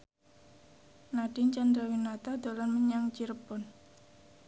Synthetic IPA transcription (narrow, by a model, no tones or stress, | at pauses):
naɖ̥ɪnt͡ʃand̪ɾawinat̪ad̪̥olanməɲaŋt͡ʃiɾəb̥ɔn